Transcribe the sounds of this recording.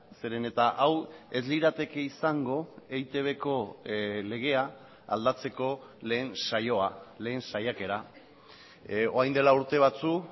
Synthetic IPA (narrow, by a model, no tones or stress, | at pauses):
se̞ɾe̞ne̞t̪aʔawe̞zliɾat̪e̞ke̞isaŋɡo̞ejt̪e̞β̞e̞ko̞le̞ɣ̞e̞a | a̰ld̪at͡se̞ko̞le̞ːnsajo̞ale̞ːnsajake̞ɾa | oajnd̪elauɾt̪e̞β̞at͡su